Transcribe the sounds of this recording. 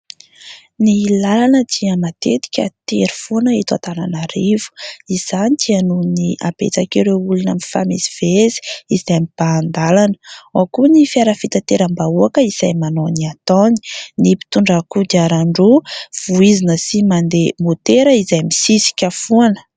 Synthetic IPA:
nilalanəd̪iəmat̪et̪i̥kʲət̪eɾi̥funəet̪at̪ana̰naɾivu̥iz̥anit̪ʰianuniʔa̰bḛt͡sakiɾeulunamifa̰mezi̥v̥ezi̥izajmib̥aːnd̪alanə̥akunifiaɾəfit̪at̪eɾambauakəiz̥ajmanoniat̪ɔni̥nipi̥t̪uɳɖ͡ʐakud̪aɾaɳɖ͡ʐuv̥uizinəsimand̪emot̪eɾəizajmisisi̥kʲəfuanə̥

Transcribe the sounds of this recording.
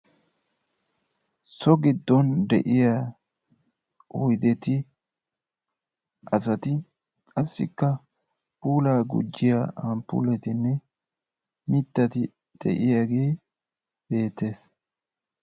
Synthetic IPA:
sɔɡɪd̪ːɔnd̪ɛ̰ʔɪja | ʊjd̪ɛt̪ɪ | ʔɐsɐt̪ɪ | kʼɐsːɪ̰kːɐ | puːlaːɡʊ̰d͡ʒːɪjaɐmpʊ̰lɛt̪ɪnːɛ | mɪt̪ːɐt̪ɪ | d̪̥ɛ̰ʔɪjaɡe̞ː | b̥e̞ːt̪ːe̞ːs

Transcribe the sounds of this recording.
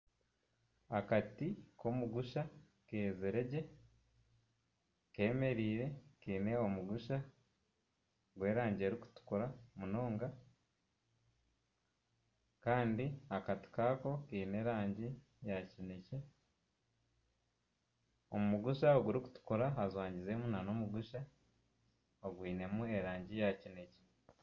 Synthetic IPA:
hakatikʰomuɡuʃa | keːzeɾe̞ɟe̞ | ke̞ːme̞ɾiːɾe̞kiːne̞omuɡuʃa | ɡwe̞ːɾaːɲɟeːɾiku̥tu̥kuɾamunoːŋɡa | kaːndiakati̥kaːko̞kiːne̞ɾaːɲɟi | jacine̞ce̞ | omumuɡuʃaoɡuɾiku̥tu̥kuɾaɦazwaːɲɟizemunano̞muɡuʃa | oɡwiːne̞mue̞ɾaːɲɟijacine̞ce̥

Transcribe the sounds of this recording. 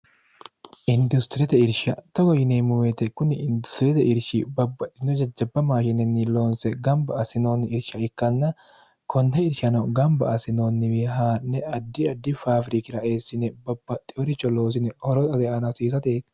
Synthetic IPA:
ʔɪnd̪ʊst̪ɪɾɛt̪ɛɪɾʃɐt̪ɔɡɔjɪneːmʊwet̪ɛkʊnːɪɪnd̪ʊst̪ɪɾɛt̪ɛɪɾʃibɐbːɐt̪ʼːɪnɔd͡ʒɐd͡ʒːɐbːɐmaːʃɪnːɛniloːnsɛɡɐmbɐɐsɪnoːnːɪɪɾʃɐɪkːɐnːɐ | kʰɔnhɛɪɾʃɐnɐɡɐmbɐʔɐsɪnoːnːɪwɪɦaːnːɛɐd̪ːɪɐd̪ːɪfaːfɾɪkɪɾɐʔe̞ːsːɪnɛbɐbːɐt̪ʼːɪɔɾɪt͡ʃːɔlo̞ːs̬ɪnɛhɔɾɔt̪ɐd̪ɛʔɐnɐsiːs̬ɐt̪eːt̪

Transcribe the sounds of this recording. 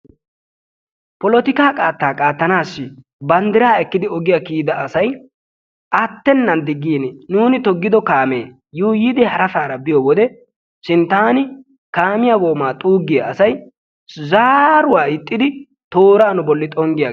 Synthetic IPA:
pɔlɔt̪ɪkaːkʼaːt̪ːaːkʼaːt̪ːɐnaːsːɪ | bɐnd̪ɪɾaːɛkːɪd̪ɪɔɡɪjakiːd̪ɐɐsɐj | ʔɐt̪ːɛnːɐnd̪ɪɡːiːnnuːnɪt̪ɔɡːɪd̪ɔkaːmeː | juːjɪd̪ɛhɐɾɐsaːɾɐbɪjɔwɔd̪ɛ | sɪnt̪aːnɪ | kaːmɪjɐwoːmaːt̪ʼuːɡːɪjɐɐsɐj | zaːɾʊwaːɪt̪ʼːɪd̪ɪ | t̪oːɾaːnʊbɔlːɪt̪ʼɔŋɡɪja

